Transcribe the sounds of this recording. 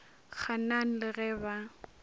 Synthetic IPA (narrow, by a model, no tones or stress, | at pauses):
k͡xʰanaŋ̩lɪrɛba